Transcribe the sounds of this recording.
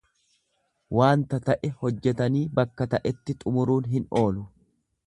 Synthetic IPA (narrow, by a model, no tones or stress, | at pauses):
waːnt̪ɐt̪ɐʔɛhɔd͡ʒːɛt̪ɐniːbɐkːɐt̪ɐʔɛt̪ːɪt̪ʼʊmʊɾuːnɦɪno̞ːlʊ